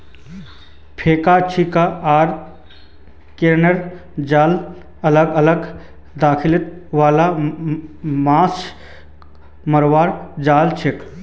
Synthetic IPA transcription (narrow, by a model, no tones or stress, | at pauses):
pʰeːkat͡ʃʰikaʔaːɾ | keɾnəɾd͡ʒaːl | ɐləɡɐləɡ | d̪aːkʰɪlɪt̪ʋaːla | maːs | məɾʋaːɾd͡ʒaːlt͡ʃʰek